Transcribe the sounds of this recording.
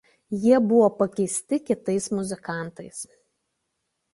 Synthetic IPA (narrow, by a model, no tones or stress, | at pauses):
jiɛbʊʋoːpɐkʲɛɪsʲt̪ʲɪkʲɪt̪ɐɪsmʊzʲɪkɑˑnt̪ɐɪs